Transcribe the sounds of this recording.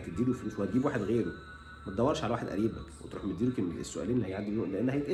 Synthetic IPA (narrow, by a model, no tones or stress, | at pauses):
t̪ed̪ːiːluwfuːswhæt̪̚ɡibwaːħed̪ɣeːɾo | mæt̪ed̪æwːɑɾˤʃʕalæwaːħed̪ʔæ̰ɾiːbækwet̪ɾṵːħmet̪d̪iːlukenḛsːoʔæ̰liːnelihæjʕad̪ioʔleʔenːhæjet̪ʔe